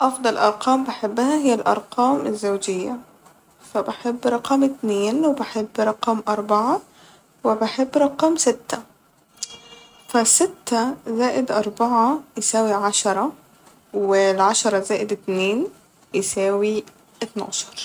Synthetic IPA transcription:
ʔɑfd̪ˤɑlʔɑɾˤqɑːmbeħebːhæɦɪjːælʔɑ̰ɾˤqɑːmɪzːawd͡ʒɪjːæ | fæbaħebːɾˤɑqɑːmʔɪt̪neːnwebeħebːɾˤɑqɑːmʔɑɾˤbɑʕɑ | wɪbeħebːɾˤɑqɑːmsɪt̪ːæ | fæsɪt̪ːæzæːʔɪd̪ʔɑɾˤbɑʕɑjɪsæːwiʕaʃɑɾˤɑ | wɪlʕaʃɑɾˤɑzæːʔɪd̪ɪt̪neːn | jɪsæːwi | ʔɪt̪na̰ʕʃɑ̥ɾˤ

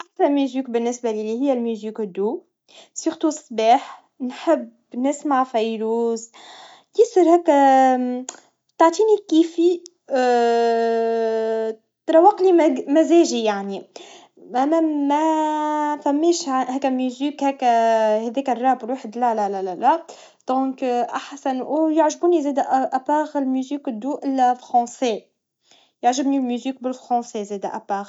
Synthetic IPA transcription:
ʔasæmiziːk̚bɪnːɪsbælilihɪjːælmuziːkd̪ːuː | sʊɾt̪usˤbiːħ | nħəb | nɪsmaʕfɑjɾuːz | j̪isəɾhɛːkːæ | t̪aʕt̪ˤiːnikiːfi | t̪ɾˤɑwːɑqlimæmæzɛːʒijaʕni | mmæ | fæmːɛːʃhɛːkːæmyziːkhɛkːæhɛðɛːkærˤːɑːbɪlwaħəd̪lælælælælæ | d̪̥ɔ̃ːkʔaħsænʔujaʕʒbunizeːd̪æʔʔæpaːɣəlmyziːkd̪uːʔɪlfɾɑ̃sɛ | jaʕʒəbnilmyziːk̚bɪlfɾɑ̃sɛzɛːd̪æʔæpaːɣ

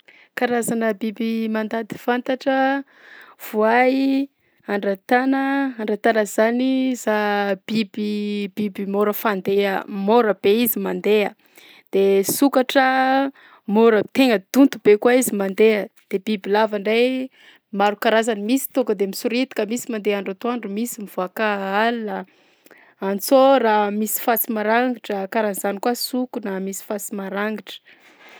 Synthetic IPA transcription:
kaɾazanəbibimand̪ad̪i̥fant̪aʈ͡ʂə | v̥uaji | aɳɖ͡ʐat̪anəaɳɖ͡ʐat̪anəzanizab̥ibib̥ibimoɾəfand̪eəmoɾəb̥eizimand̪eə | d̪̥esukaʈ͡ʂə | moɾət̪eŋəd̪̥unt̪ub̥ekwaizimand̪eəd̪̥eb̥ibilavaɳɖ͡ʐaj | maɾukaɾazanimisi̥t̪okəd̪emisuɾit̪i̥kəmisimand̪eaɳɖ͡ʐat̪uaɳɖ͡ʐumisimiv̥akaalnə | ant͡soɾamisi̥fat͡simaɾaŋɡiʈ͡ʂəkaɾanizanikwasukunəmisi̥fat͡simaɾaŋɡiʈ͡ʂə̥

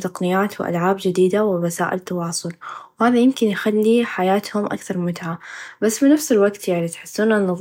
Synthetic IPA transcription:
t̪ɑqnɪjaːt̪wɪʔa̰lʕaːbd͡ʒɪd̪iːd̪awɪwasaːʔɪ̰lt̪ːɑwɑːsˤʊlwhaːðajɪmkɪnjxalːiħajaːt̪hʊmʔa̰kθɑɾˤmʊt̪ʕabasːbɪnafsɪlwaɡt̪jaʕnit̪ħɪ̥sːuːnanːɑðˤ

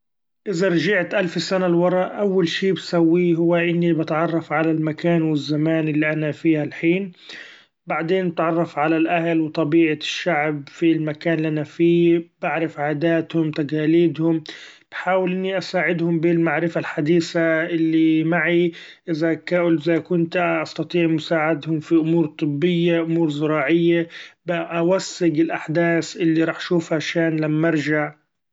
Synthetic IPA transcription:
ʔɪzaɾˤʒaʕt̪ʔalfsanalwɑɾˤɑʔʔawːalʃiːbsawːiːɦʊwːaʔɪnːibɪt̪ʕɑrˤːɑfʕalalmakaːnwɪzːamaːnʔɪlːiʔanafiːhalħiːn | baʕd̪eːnbɪt̪ʕɑrˤːɑfʕalalʔahalwɪt̪ˤɑbiːʕaʃːaʕb̚filmakaːnɪlːʔanafiːbaʕɾɪfʕaːd̪aːt̪hʊmt̪aɡaːliːd̪hʊm | b̥ħaːwɪlʔɪnːiʔasaːʕɪd̪hʊmbɪlmaʕɾɪfalħad̪iːsaʔɪlːimaʕi | ʔɪzakaʔʊlʔɪzakʊnt̪ʔɑst̪ɑt̪ˤiːʕmʊsaːʕɪd̪hʊmfiʔʊmuːɾt̪ˤɨbːɪjːaʔʊmuːɾzʊɾˤɑːʕɪjːabaʔawasːɪɡɪlʔaħd̪aːsʔɪlːiɾˤɑːħʔaʃuːfhaʃaːnlamːaʔɑɾˤʒaʕ

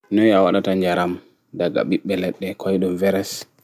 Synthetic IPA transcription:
nɔjawaɗataɲd͡ʒaɾam | daɡa̰ɓiɓːɛlɛɗːɛkɔjɗɔmvɛɾɛs

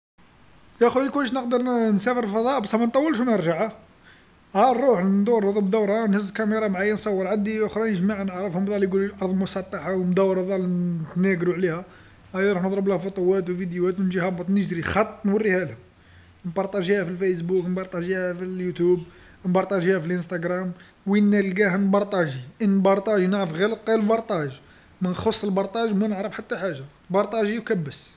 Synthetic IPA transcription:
jæxulkʊnːəʃ̬nəqd̪əɾˤnsæfəɾlfɑd̪ˤɑʔbæsæmænt̪ˤːɑwːəlʃ̬wnəɾˤʒaʕa | hæɾˤuħnd̪ˤuɾˤəd̪ˤəbd̪æwɾˤanhəz̬lkæmiɾˤɑmʕajːænsˤɑwːəɾˤʕad̪iʔʊxɾˤɑnəʒmaʕanəʕɾəfhʊmðˤɑliɡuluʔɑɾˤðˤlmʊsˤɑt̪ːɑħawmd̪æwːɾˤðˤɑlt̪næɡɾuʕlihæ | hæjɾˤɑħnəd̪ˤɾəblhæfʊt̪ˤʊwæt̪wvid̪juæt̪wnʒihɑbɑt̪ˤnəʒd̪ɾixɑt̪ˤːnwərːihælhʊm | nbɑɾˤt̪ˤɑʒihæfilfæs̬buknbɑɾˤt̪ˤɑʒihæfiljut̪ub | nbɑɾˤt̪ˤɑʒihæfilʔənst̪æɡɾˤɑm | winːælɡæɦənbɑɾˤt̪ˤɑʒiʔənːbɑɾˤt̪ˤɑʒinaʕɾəfɣælət̪̚ˤqɑlbɑɾˤt̪ˤɑʒ | mənxosˤːəlbɑɾˤt̪ˤɑʒmænəʕɾəfħat̪ːæħaʒːa | bɑɾˤt̪ˤɑʒijkæbːəs

